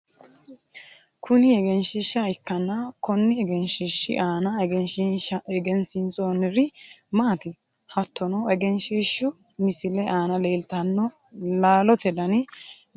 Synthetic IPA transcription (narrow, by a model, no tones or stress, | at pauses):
kʰʊnɪɛɡɛnʃɪʃɐɪkːɐnːɐkɔnːɪɛɡɛnʃɪʃːɪ̰ʔaːnɐɡɛnʃɪɐɛɡɛnsɪnt͡sʼoːnɪɾɪmaːt̪ɪ | hɐt̪ːɔnɔɛɡɛnʃiːʃʊ | mɪsɪlɛʔaːnɐleːlt̪ɐnːɔ | laːlɔt̪ɛd̪ɐnɪ